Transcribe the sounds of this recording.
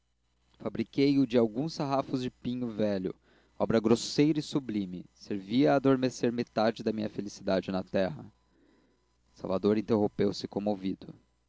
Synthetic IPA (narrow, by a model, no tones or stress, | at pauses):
fabɾikejʊd͡ʒɪawɡũsaɦafʊzd͡ʒɪpĩɲʊvɛʎʊ̰ | ɔbɾɐɡɾosejɾɐɪsublĩmɪseɾviɐːd̪oɾmeseɾmet̪ad͡ʒɪd̪ɐmĩɲɐfelisid̪ad͡ʒɪnɐt̪ɛɦɐ | sa̰wvad̪oɾĩnt̪eɦõpewsɪkõmovid̪ʊ̰